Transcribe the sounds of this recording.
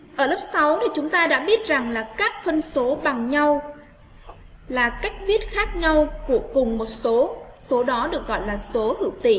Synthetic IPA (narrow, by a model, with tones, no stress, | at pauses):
ʔəː˧˩lə˦˥p̚sa˨˦wɗi˨˩t͡ɕʊ˨˦ŋ͡mt̪aː˧ɗa̰ː˧˥ɓi˦˥ət̚za˨˩ŋlaː˨˩kaː˦˥k̚fə˧nso˨˦ɓa˨˩ŋɲa˧w | laː˨˩ka˦˥jk̟̚vi˦˥ət̚xaː˦˥k̚ɲa˧wku˧˩əkʊ˨˩ŋ͡mmo˨˩t̚so˨˦so˨˦ɗɔ˨˦ɗɨ˨˩ək̚ɣɔ̰˧˨jlaː˨˩so˨˦hɨ̰˧˩wt̪ḭ˧˨